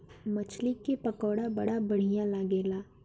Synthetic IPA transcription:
mɐt͡ʃʰlɪkepɐkɔːɽabɐɽabɐɽ̤ijãlaːɡeːlaː

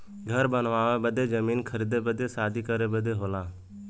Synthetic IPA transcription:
ɡʱəɾbənʋaːʋeːbəd̪ʱeːd͡ʒəmiːnkʰəɾiːd̪ebəd̪eːsaːd̪ʱiːkəɾeːbəd̪ʱeɦoːlaː

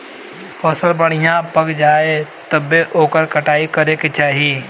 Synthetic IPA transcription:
pɔsəlbɐɽ̤̃ɪjãpɐkd͡ʒaːet̪ɐbeʔoːkəɾkɐʈaːikɐɾeket͡ʃaːɦieː

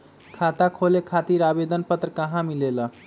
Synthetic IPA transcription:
kʰat̪akʰolekʰat̪iɾabed̪ənpət̪ɾəkəɦãmilelə

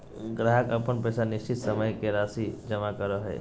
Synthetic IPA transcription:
ɡɾaɦəkɐpənpɛːsanɪʃt͡ʃɪt̪səməjkeɾaːsid͡ʒəmakəɾoɦɛ̰ː

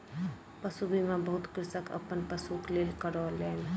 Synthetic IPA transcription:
pəsubimãbəɦʊt̪kɾɪsəkə̰pənpəsukleːlkəɾɔlɛːn

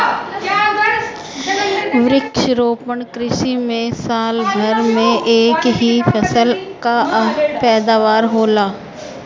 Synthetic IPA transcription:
ʋɾɪkʃəɾoːpəɳkɾɪʃimẽsaːlɡʱɐɾmẽʔeːkɦifʰɐsəlkapɛːd̪aːʋaːɾɦoːlaː

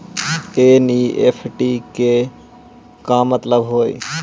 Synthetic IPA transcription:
eːniːḛːfʰʈiːke | kãːmət̪ləbɦoːḭ

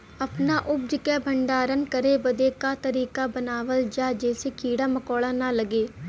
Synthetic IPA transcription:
əpnaːʔʊb̚d͡ʒɪkɛːbʱəɳɖaːɾənkəɾeːbəd̪eːkaːt̪əɾiːkaːbənaːʋəld͡ʒaːd͡ʒɛːseːkiːɽaːməkɔːɭaːnaːləɡeː

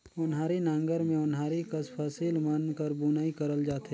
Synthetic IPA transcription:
ʊnɦaːɾinãːŋɡəɾmẽʊnɦaːɾikɐspʰasiːlmɐnkəɾbunaːikɐɾəld͡ʒaːt̪ɦɛ

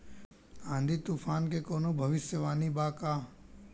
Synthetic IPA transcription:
ãːnd̪ʱiːt̪uːpʰaːnkekoːnoːbʱɐʋɪsjəʋaːnibaːkaː

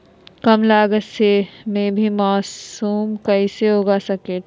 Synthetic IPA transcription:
kɐmlaːɡəsemẽbʱimaːsuːmkɐɪseɦoːɡasɐkeʈ

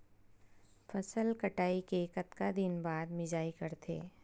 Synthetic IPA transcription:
fɐsəlkɐʈaːikekɐt̪kad̪ɪnbaːd̪mɪd͡ʒaːikɐɾt̪ʰḛː

